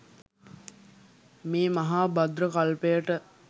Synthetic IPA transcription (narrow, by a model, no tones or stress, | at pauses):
miːmɐɦaːbɐd̪ɾəkɐlpejəʈə